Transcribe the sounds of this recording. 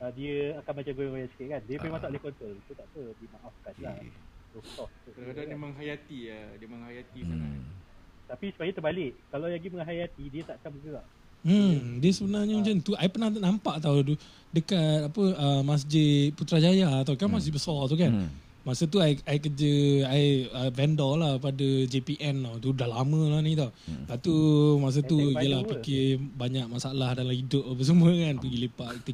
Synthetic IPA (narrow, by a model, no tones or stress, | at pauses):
ədiəakanmat͡ʃamɡoajasi̥kɪʔ̪̚kandiəpmasaʔlehkɔnt̪olt̪ut̪aʔtədimaʔafkanla̰t̪ot̪ɔtuəadadiəməŋɦajat̪iədiəməŋɦajat̪isana̰ | t̪apisu̥paɲat̪əbalɪʔkalawjaɡiməŋɦajat̪idiət̪aʔkamɡəɡaʔ | m̩diəsəbənarɲəut͡ʃant̪uaipənaht̪anampaʔt̪awd̪u | dəkat̪̚apəəmas̬d͡ʒɪt̪̚put̪ɾad͡ʒajat̪awkaamas̬d͡ʒɪt̪̚bəsɔrt̪̬ukan | masət̪uaiajkəd͡ʒəaiəvɛndɔlahpadəd͡ʒepiʔɛnt̪awt̪udahlamə̃lanit̪awbaʔt̪umas̬ət̪uiəlahpikɪbaɲak̚masaalahdalamidʊʔ̚bəs̬əməkanpəɡilepaʔt̪u